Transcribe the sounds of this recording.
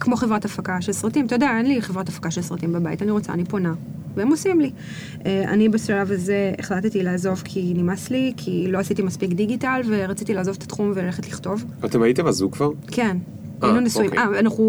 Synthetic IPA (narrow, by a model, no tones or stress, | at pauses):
kmoχe̞vʁatafakaʃelsʁatimt̪ojodeae̞nliχevʁatafḁkaʃe̞lsʁatimbabaḭtaniʁot͡sa̰ːnipo̞naveemosimli | ʔeʔa̰nibeʃalavaze̞ḛχlatetilaaːzo̞vkʰinimaslikʰiloasitimaspikdiɡitalve̞ʁat͡sit̪ileaːzo̞vet̪ḁt̪χumvelaleχetliχto̞vat̪emait̪emazukvaʁ | kʰe̞n | ajnunisuimʔaanaχu